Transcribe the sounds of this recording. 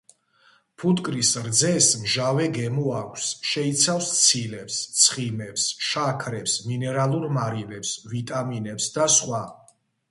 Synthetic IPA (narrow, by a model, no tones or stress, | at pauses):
pʰut̪ʼkʼɾisɾd̪zɛsmʒavɛɡɛmuakʷʰsʃɛit̪sʰafst̪sʰilɛpst̪sʰχimɛpsʃakʰɾɛpsminɛɾalˠuɾmaɾivɛpsvit̪ʼaminɛpsd̪asχwa